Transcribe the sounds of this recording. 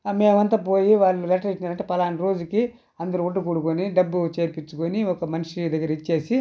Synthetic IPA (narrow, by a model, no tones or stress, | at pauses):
me̞ːmɐnt̪ɐp̬o̞ːjiʋaːlːulɛʈɐɾit͡ʃːinaːɾɐɳʈepɐlaːnɾo̞ːd͡ʒuki | ɐnd̪ɐɾuuɖːukuːɽukuniɖɐbːut͡ʃe̞ːɾpit͡ʃːukoniɔkɐmɐniʂid̪ɐɡːɐɾɐit͡ʃːe̞ːsi